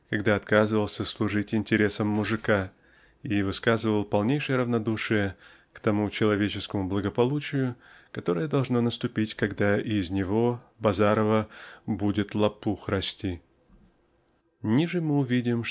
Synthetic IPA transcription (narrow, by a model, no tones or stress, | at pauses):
kɐɡd̪aɐt̪kazɨvəlˠsʲəslˠʊʐɨtʲɪnʲtʲɪɾʲe̞səmːʊʐɨka | ivɨskazɨvəlˠpɐlˠnʲejʂɨjəɾəvnɐd̪uʂɨjə | kt̪ɐmut͡ɕɪlˠɐvʲet͡ɕɪskəmʊblˠəɡəpɐlˠut͡ɕɪjʊkɐt̪o̞ɾəjəd̪ɐlˠʐnonəst̪ʊpʲitʲkɐɡd̪aɪzʲnʲɪvo̞ | bɐzaɾəvəbudʲɪt̪lˠɐpuxrɐsʲtʲi | nʲiʐɨmɨʊvʲidʲɪm